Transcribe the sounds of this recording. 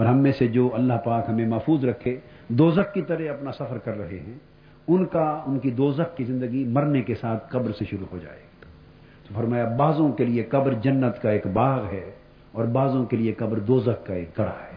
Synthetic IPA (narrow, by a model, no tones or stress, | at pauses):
pɔɾɦɐmːẽsed͡ʒoːɐlːaɦpaːkɦɐmẽmɐfuːzɾɐkʰːe | d̪oːzəkːit̪ɐɾɛɐpnasɐfəɾkɐɾːɐɦeɦɛ̃ː | ʊnkaʊnkid̪oːzəkːizɪ̃nd̪əɡimɐɾnekesaːt̪ʰqɐbɾseʃʊɾuɦod͡ʒa̰ːḛːɡa | t̪ofɐɾmaːjabaːzõkelieqɐbɾd͡ʒɐnːət̪kaeːkbaːɣɦɛː | ɔːɾbaːzõkeliekɐbɾd̪oːzəkːaeːk̚ɡɐɽa̰ɦɛː